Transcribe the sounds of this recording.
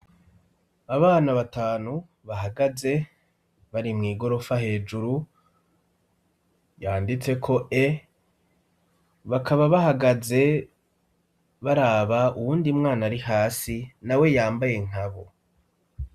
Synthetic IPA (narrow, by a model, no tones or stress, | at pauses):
aβaːnaβataːnu | βaɦaɡaze̞ | βaɾimŋiːɡo̞ɾo̞faɦe̞ːd͡ʒuɾu | jaːndit͡se̞kʰo̞ʔe | βakaβaβaɦaɡaze̞ | βaɾaːβauwuːndimŋaːnaɾihaːsinawe̞jaːmbaje̞ŋ̥aβo̞